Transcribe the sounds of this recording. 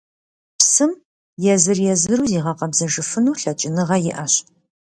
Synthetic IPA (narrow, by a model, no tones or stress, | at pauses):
psɨm | jɛzɨrjɛzɨɾuːziːʁɐqɐbzɐʒɨfɨnuːɬɐt͡ʃʼɪnɨʁɐjɪʔɐɕ